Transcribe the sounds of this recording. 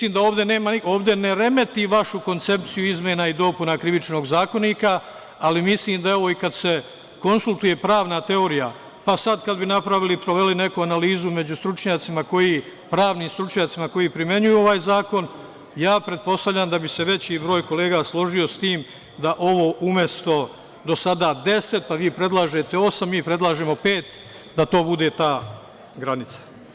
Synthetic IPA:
iːmd̪aoːʋd̪e̞ne̞ːmao̞ːʋd̪e̞neɾe̞me̞t̪iʋaʃuko̞nt̪se̞p̚t̪sijuizmʲje̞naid̪o̞punakɾiʋit͡ʃno̞ːɡzaːko̞niːkaː | limisliːmd̪ae̞ʋo̞ikad̪se̞ | ko̞nsulˠt̪uje̞pɾaːʋnat̪e̞o̞ɾija̰ | pasad̪kad̪binapɾaʋilipɾo̞ʋe̞line̞kuanaliːzume̞d͡ʑust̪ɾut͡ʃɲaːt̪simako̞jiː | pɾaːʋniːmst̪ɾut͡ʃɲaːt̪simako̞jiːpɾimje̞ɲujuo̞ʋaːjzaːko̞n | jaːpɾe̞d̪̚po̞st̪aʋʎʲaːmd̪abise̞ʋe̞t͡ɕibɾo̞ːjko̞le̞ːɡaslˠo̞ʒio̞st̪iːm | d̪aʔo̞ʋo̞ʔumje̞st̪o̞ | d̪o̞sad̪aːd̪e̞se̞t̪̚paʋiːpɾe̞d̪lˠaːʒe̞t̪eo̞samːiːpɾed̪lˠaːʒeːmo̞peːt̪ | d̪at̪o̞ːbud̪e̞t̪aː | ɡɾanit̪sḁ

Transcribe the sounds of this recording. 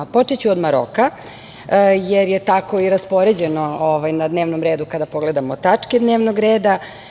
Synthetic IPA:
po̞t͡ʂet͡ɕuod̪maɾo̰ka | jeɾjet̪ako̞iɾaspo̞ɾe̞d͡ʑeno̞oʋajnad̪neːʋnomɾeːd̪ukad̪apo̞ɡle̞d̪amot̪at͡ʂked̪neːʋnoɡɾeːd̪a

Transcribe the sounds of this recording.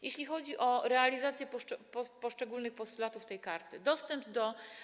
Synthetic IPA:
jeɕlʲixɔd͡ʑiʔɔɾɛalʲizat̪sʲjɛpɔpɔpɔʂt͡ʂɛɡulnɘxpɔst̪ulat̪uft̪ɛjkaɾt̪ɘd̪ɔst̪ɛmbd̪ɔ

